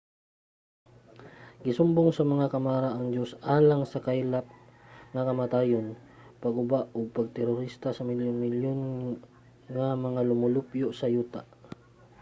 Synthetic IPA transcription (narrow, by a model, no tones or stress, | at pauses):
ɡɪsʊmbʊŋsɐmɐŋakɐmaɾaʔɐŋd͡ʒosʔaːlaŋsɐkailap̚ŋɐkɐmat̪aːjon | pɐɡʊbaʔʊɡ̚pɐɡ̚t̪ɛɾʊɾist̪asɐmɪljʊnmɪljon | ŋamɐŋalʊmʊlʊpjoʔsɐjuːt̪aʔ